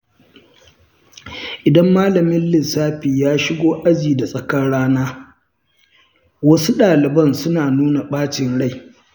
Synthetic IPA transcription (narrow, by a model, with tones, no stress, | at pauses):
ʔɪ˨dɐ˦mːaː˦lɐ˨mɪ˦nlɪ˨saː˦ɸiː˨jaː˦ʃɪ˦ɡʷoː˦ʔa˦d͡ʒiː˨da˨sʼɐ˨kɐ˦ɽaː˦naː˦ | wɐ˦su˦ɗaː˨lɪ˨bɐ˦nsʊ˦naː˨nuː˦na˨ɓaː˦t͡ʃɪ˨nɽa˦˨j